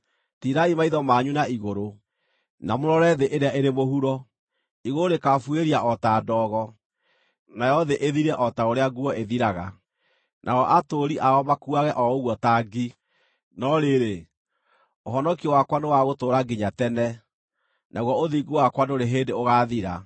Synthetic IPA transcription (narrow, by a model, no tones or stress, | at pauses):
tiɾaimaiðɔmaɲunaiɣoɾo | namoɾɔɾɛðeʔeɾeaʔeɾemohuɾɔ | iɣoɾekafweɾiaʔɔtaːdɔːɣɔ | najɔðeʔeðiɾɛʔɔtaoɾeaɡuɔʔeðiɾaɣa | nʔaɔʔatoɾiʔaɔmakuaɣɛʔɔoɣwɔtaɡi | nɔɾeɾe | oɦɔnɔkiwakwanewaɣotoɾaɡiɲatɛnɛ | naɣwɔoðiɡowakwadoɾeɦeːndeoɣaːðiɾa